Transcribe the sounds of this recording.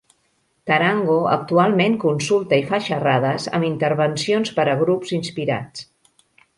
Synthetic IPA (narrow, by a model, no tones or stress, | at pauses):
t̪əɾaŋɡoə̰k̚t̪ualˠmeŋkunsulˠt̪əifaʃərað̞əzə̰mint̪əɾβ̞ənsionspəɾəɣɾupzinspiɾa̰t͡s